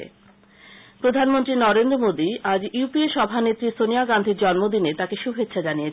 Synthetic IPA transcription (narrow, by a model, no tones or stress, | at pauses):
ḛ | pɾod̪ʱanmont̪ɾinɔɾend̪ɾomod̪iad͡ʑupieʃɔbʱanet̪ːɾisoniaɡand̪ʱiɾd͡ʑɔnmod̪inet̪akeʃubʱet̪ːɕʃʰad͡ʑaniet͡ɕʰ